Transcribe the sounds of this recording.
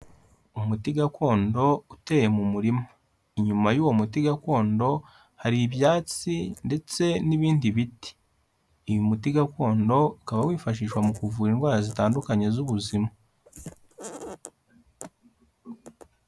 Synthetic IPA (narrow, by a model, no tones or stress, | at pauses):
umutiɡakʰo̞ːndo̞ute̞ːje̞mumuɾima | iɲumajuːwo̞mutiɡako̞ːndo̞ | haɾiβjaːt͡sinde̞t͡se̞niβiːndiβiti̥ː | jumutiɡako̞ːndo̞ikaβawiːfaʃ̬iːʃwamukuvuːɾinɡwaːɾazitaːndukaɲe̞zuβuzima